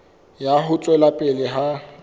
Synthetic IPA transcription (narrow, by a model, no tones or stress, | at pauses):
jaɦʊt͡sʼwɛlapʼɪlɪɦa